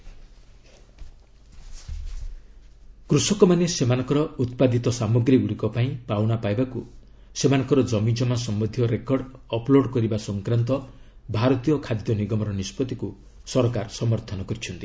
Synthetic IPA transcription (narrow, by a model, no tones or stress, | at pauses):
kɾusɔkɔmanesemanɔ̃ŋkɔɾɔut̪pad̪it̪ɔsamuɡɾiɡuɽikɔpaĩpawnapajbaku | semanɔ̃ŋkɔɾɔd͡ʒɔmid͡ʒɔmasɔmbɔd̪ʱjɔɾekɔɽɔploɽkɔɾibasɔŋkɾant̪ɔbʱaɾɔt̪ijɔkʰad̪jɔniɡɔmɔɾɔnispɔt̪iku | sɔɾɔkaɾsɔmɔɾt̪ʰɔnɔkɔɾit͡ʃʰɔnt̪i